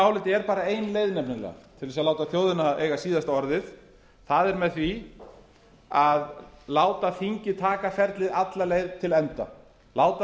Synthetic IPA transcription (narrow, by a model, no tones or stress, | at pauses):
awlɪt̪ɛɾpaːɾaeːjnlejðnɛpnɪnlɛ̰t̪ʰɪlvɛsaðlaːwt̪aθjowðɪnaʔeːjɣasiːðast̪aɔɾðɪð | θaðɛɾmɛðθvi | aðlaːwt̪aθiɲcɪt̪ʰaːkafɛɾt̪lɪðat̪lalejðt̪ʰɪlɛnt̪a | laːwt̪a